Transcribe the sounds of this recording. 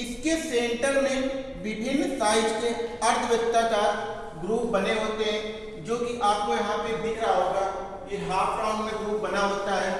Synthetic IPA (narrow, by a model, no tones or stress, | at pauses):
ɪskesẽːɳʈəɾmẽ | bɪbʱɪnsaːɪʈkeɐɾt̪ʰəʋjəkt̪akaːɾ | ɡɾuːpbɐneɦoːt̪eɦɛ̃ː | d͡ʒoːkiʔaːp̚kojɐɦãpebʱɪkɾaːoːɡa | jeɦaːpɾaːʊ̃ɳmẽɡɾuːp̚bɐnaɦoːt̪aɦɛː